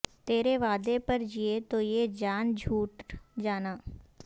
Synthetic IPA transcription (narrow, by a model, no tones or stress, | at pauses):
t̪eːɾeʋaːd̪epɐɾd͡ʒiet̪ojeːd͡ʒaːnd͡ʒʱuːʈd͡ʒaːnaː